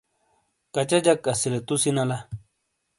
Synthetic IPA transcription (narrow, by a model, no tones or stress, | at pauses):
kat͡ʃad͡ʒakʼːasilet̪usinala